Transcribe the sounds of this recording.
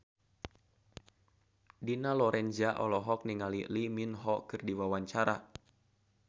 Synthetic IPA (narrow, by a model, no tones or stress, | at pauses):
dinalɔɾɛnd͡ʒaʔɔ̰lɔɦɔk̚niŋaliliminɦɔkɨrdiwawaɲt͡ʃaɾa